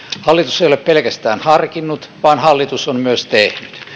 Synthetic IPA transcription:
hɑlːit̪useijoleppelkæst̪æːnhɑrkinːut̪ʋɑːnhɑlːit̪usommyøst̪ehnyt̪

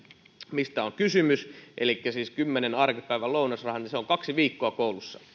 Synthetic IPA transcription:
mist̪æoŋkysymysʔelikːæsiːskymːenenɑrkipæiʋæloˑunɑsrɑhɑniseoŋkɑksiʋiːkːoɑkoulusːɑ̥̰

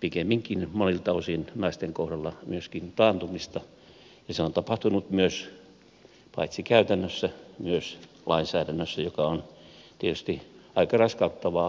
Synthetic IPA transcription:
pikemːiŋkinmonilt̪ɑosinnɑist̪eŋkohrɑlːɑmyøskint̪ɑːnt̪umist̪ɑ | jɑseont̪ɑpɑht̪unut̪myøs | pɑ̰it̪sikæyt̪ænːøsːæmyøs | lʔɑinsæːdænːøsːæjokɑont̪iet̪yst̪iɑikɑrɑskɑut̪ːɑʋɑ

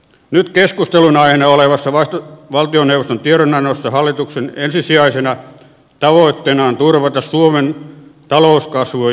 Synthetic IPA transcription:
nyt̪keskust̪elunɑihenɑoleʋɑsːɑʋɑst̪ʋɑlt̪ioneuʋost̪ont̪ieɾonɑnosːɑhɑlːit̪uksenensisiɑisenɑ | t̪ɑʋoˑit̪ːenɑnt̪urʋɑt̪ɑssuoment̪ɑloˑuskɑsʋo

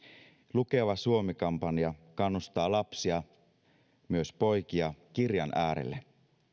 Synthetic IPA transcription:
luke̞ʋɑsuomikɑmpɑniɑkɑnːust̪ɑːlɑpsiɑ | myøspo̞jk̟iɑkirjɑnʔæːɾḛlːe

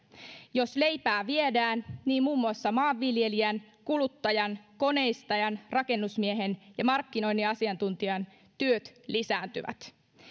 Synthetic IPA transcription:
jo̞sle̞jpæːʋiedæːnniːmmuːmːuɑsːɑmɑːʋːilje̞liænkulut̪ːɑjɑnko̞ne̞ist̪ɑjɑnrɑke̞nːusmieɦenjɑmɑrkːino̞jnːiɑsiɑnt̪unt̪iɑn | t̪yøt̪lisæːnt̪yʋæ̰t̪

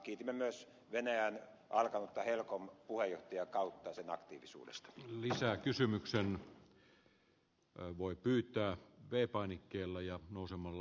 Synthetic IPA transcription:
kiːt̪imːemyøs | ʋenæjæn | ʔɑlkɑnut̪ːɑhelkompuhejoht̪ɑjɑkɑut̪ːɑsenɑ̰kt̪ḭːʋisṵːdḛst̪ɑ̥lisækysymyksen | ʋoˑipyːt̪ˑæːʋeːpɑˑinikːeːlːæjɑnoˑusemɑlː

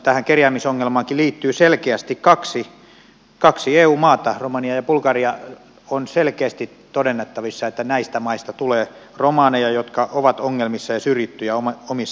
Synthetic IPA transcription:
t̪æhæŋkerjæːmisoŋːelmɑːŋkiliːt̪ːyːselkeæst̪ikkɑksi | kɑksieːuːmɑːt̪ɑromɑniɑjɑpulkɑriɑ | onselkeæst̪itt̪odenːet̪ːɑʋisːɑet̪ːænæist̪æmɑist̪ɑt̪uleː | romɑːnejɑjot̪kɑʔoʋɑt̪oŋːelmisːɑjɑsyrjit̪ːyjæomomisː

